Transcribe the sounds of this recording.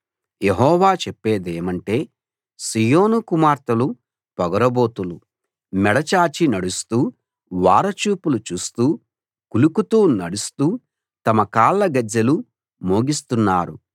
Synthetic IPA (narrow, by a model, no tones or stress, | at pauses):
jeɦɔːʋaːt͡ʃɛpːeːd̪eːmɐɳʈe̞ː | sijoːnukumaːɾt̪ɐlu | pɔɡɐɾɐbo̞ːt̪ulu | mɛɽɐt͡ʃaːt͡ʃinɐɽust̪uː | ʋa̰ːɾɐt͡ʃuːpulut͡ʃuːst̪uː | kulukut̪uːnɐɽust̪uː | t̪ɐmɐkaːlːɐɡɐd͡ʒːɐlu | mo̞ːɡist̪unːaːɾṵ